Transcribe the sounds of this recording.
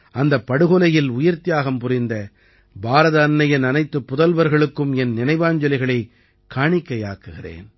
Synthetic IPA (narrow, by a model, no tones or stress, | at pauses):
ɐnd̪ɐpːɐɽɯɣɔlɐjɪlʊjɐɾt̪ɪjaːɣɐmpʊrɪnd̪ɐ | bʱaːɾɐðɐːnːɐjɐnɐnɐɪt̪ːɯpːʊðɐlʋɐɾɣɐɭɯkːɯmɛnnɪnɐɪʋaːɲd͡ʒɐlɪɣɐɭɐɪ | kːaːɳɪkːɐja̰ːkːɯɣɪrḛːn